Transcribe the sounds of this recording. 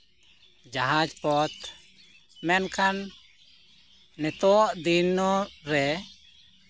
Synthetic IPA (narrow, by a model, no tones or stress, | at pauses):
d͡ʒaɦad͡ʒpɔt̪ | mɛnkʰan | ɛt̪ɔʔd̪inːɔɾɛ